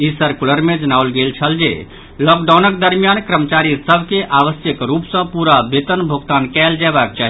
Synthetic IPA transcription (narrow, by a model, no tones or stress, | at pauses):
isəɾkuləɾmed͡ʒənawlɡelt͡ʃʰəld͡ʒḛ | lɔk̚ɖawnəkd̪əɾmjankɾəmət͡ʃaɾisəbʱkeʔaʋəsjəkɾupsə̃puɾabet̪ənbʱoɡt̪ankɛld͡ʒabak̚t͡ʃaɦi